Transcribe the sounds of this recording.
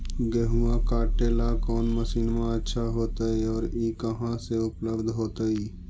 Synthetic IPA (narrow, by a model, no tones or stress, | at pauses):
ɡeɦuãkaːʈeːlakɔːnməsiːnmãətːʃʰaɦoːt̪aiɔːɾiːkəɦãseʊpləbd̪ʱɦoːt̪əiː